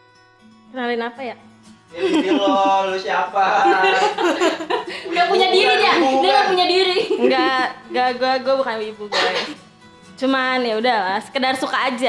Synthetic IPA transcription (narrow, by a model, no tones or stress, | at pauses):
kənalinapaja | ilolosiapa | udapuɲadiɾid͡ʒaudaŋɡapuɲadiɾiŋɡaɡaɡuaɡuabukanwibuɡuaja | t͡ʃumanjaudahlasə̥kədarsukaːd͡ʒa